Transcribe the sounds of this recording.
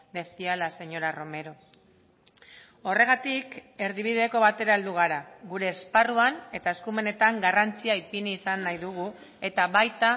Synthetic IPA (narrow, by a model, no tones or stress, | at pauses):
d̪e̞sialase̞ɲo̞ɾaro̞me̞ɾo̞ | o̞re̞ɣ̞at̪ike̞ɾðiβ̞iðeko̞βat̪e̞ɾae̞ld̪uɣ̞aɾaɣuɾe̞ːsparuane̞t̪aeskume̞ne̞t̪aŋɡarant͡siaipiniːsanːajðuɣ̞u | e̞t̪aβajt̪a